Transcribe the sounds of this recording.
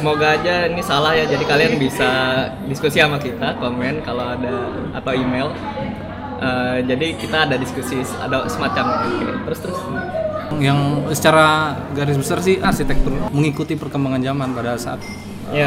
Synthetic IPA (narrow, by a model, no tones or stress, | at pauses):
səmoɡaːd͡ʒainisalahjad͡ʒadikalianbisa | diskusiamakit̪akomɛnkalawada | a̰t̪awimel | ʔəd͡ʒadikit̪aːdadiskusia̰dasəmat͡ʃamaikɛ̰t̪əɾʊst̪əɾʊs | jaŋsə̥t͡ʃaɾaɡaɾɪs̬bəsars̬ɪhʔasit̪ɛk̚t̪ʊrməŋikut̪ipərkəmbaŋand͡ʒamanpadasaʔa̰t̪̚ | ja